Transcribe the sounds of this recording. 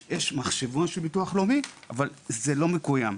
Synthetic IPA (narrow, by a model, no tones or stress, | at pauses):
jeʃmaχʃevonʃelbituaχlomiʔavalzelo̞mekujam